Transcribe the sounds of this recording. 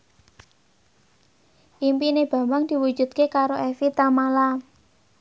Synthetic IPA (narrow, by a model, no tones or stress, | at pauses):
ʔimpineb̥ä̤mbaŋd̪̥i̤wu̥ʒ̥ṳd̪̚kekaɾoefit̪amala